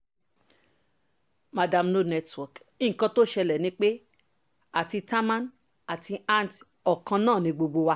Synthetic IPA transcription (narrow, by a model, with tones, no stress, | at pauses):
ma˨da˧mno˦nɛ˧twɔ˨k | i˦ŋ̩˨kã˧to˦ʃɛ˧lɛ˨nĩ˧˦k͡pe˦ | a˨ti˧ta˦mã˦n | a˨ti˧ã˦n˨t | ɔ˨kã˧nãː˦˨nĩ˧ɡ͡bo˧ɡ͡bo˧wa˧